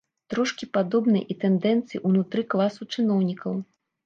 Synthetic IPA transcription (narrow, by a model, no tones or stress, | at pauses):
t̪ɾɔʂkʲipad̪ɔbnɐ̰jʔit̪ɛnd̪ɛnt̪sɨjiʔunut̪ɾɨklˠasut͡ʂɨnɔwnʲikɐw